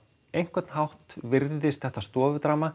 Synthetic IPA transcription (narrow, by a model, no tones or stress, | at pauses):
ejŋ̥kvɛt̪n̥ɦawht̪vɪɾðɪðɪst̪θɛht̪ast̪ɔːvʏt̪ɾaːma